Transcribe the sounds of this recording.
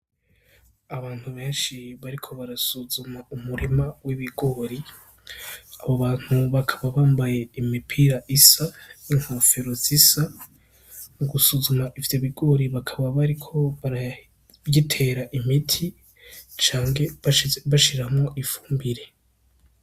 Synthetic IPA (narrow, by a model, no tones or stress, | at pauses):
aβaːn̥huβe̞ːnʃiβaɾikʰo̞βaɾasuzumaumuɾimawiβiɡo̞ɾi | aβoβaːn̥huβakʰaβaβaːmbaje̞imipʰiɾaʔisaniŋ̥hofeɾozisa | muɡusuzumaʔivjo̞βiɡo̞ɾiβakʰaβaβaɾikʰo̞βaɾa | jitʰe̞ɾaʔimitʰi | t͡ʃaːŋɡe̞βaʃiɾamŋo̞ʔifuːmbiɾe̞